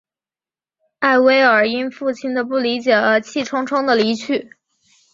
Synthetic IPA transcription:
a˥˩ɪwe˥ɪə˞˨˩i˥nfu˥˩t͡ɕʰi˥nd̪ə˨˧pu˥˩li˧˥t͡ɕjɛ˨˩ə˧˥t͡ɕʰi˥˩ʈ͡ʂʰʊ˥ŋʈ͡ʂʰʊ˥ŋd̪ə˨li˧˥t͡ɕʰy˥˩

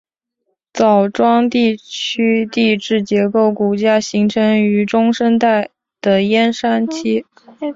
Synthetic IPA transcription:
t͡sɑ˨˩ʊʈ͡ʂwɑ˥ŋt̪i˥˩t͡ɕʰy˥t̪i˥˧ʈ͡ʂɻ̩˥˩t͡ɕjɛ˧˥ko˥˩ʊku˨˩t͡ɕja˥ɕi˧˥ŋʈ͡ʂʰɤ˧˥ŋy˧˥ʈ͡ʂʊ˥ŋʂə˥nt̪a˥˩ɪ | d̪̥ə˩jɛ˥nʂa˥nt͡ɕʰi˥

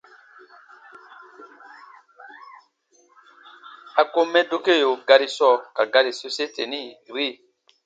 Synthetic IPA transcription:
a˨ko˦mɛ˦do˦ke˦˨jo˨ɡa˦ɾi˨sɔ˦˨ka˨ɡa˦ɾi˨so˨se˦te˨ni˦˨ɾi˦˨

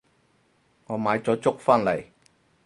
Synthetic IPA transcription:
ŋɔː˨˧maː˨˧jt͡sɔː˨˥t͡sʊ˥k̚faː˥nlɐ˨˩j

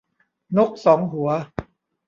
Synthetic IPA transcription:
no˦˥k̚sɔː˩˦ŋɦu˨˩˦ɐ

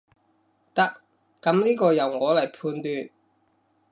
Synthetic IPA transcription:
t̪ɐ˥k̚ | kɐ˨˥mliː˥kɔː˧jɐ˨˩wŋɔː˨˧lɐ˨˩jpʰuː˧nt̪yː˧n̚

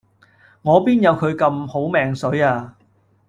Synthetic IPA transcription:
ŋɔː˨˧piː˥njɐ˨˧wkʰɵ˨˧ɥkɐ˧mho˨˥wmɛː˧ŋsɵ˨˥jaː˧

